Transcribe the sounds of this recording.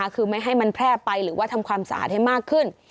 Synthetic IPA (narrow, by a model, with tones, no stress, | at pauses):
kʰɯː˧ma˥˩jɦa˥˩jma˧npʰɾɛː˥˩pa˧jɾɯː˩˦wa˥˩t̪ʰa˧mkʰwaː˧msa̰˧ʔa̰ː˨˩t̪̚ha˥˩jmaː˥˩kʰːɯ˥˩n